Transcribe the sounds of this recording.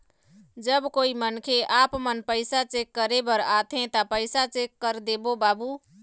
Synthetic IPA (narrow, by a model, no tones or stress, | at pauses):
d͡ʒəbkoːimənkʰeʔaːpmənpəɪsat͡ʃekːəɾebəɾat̪ʰɦẽt̪apəɪsat͡ʃekːəɾd̪ebobaːbuː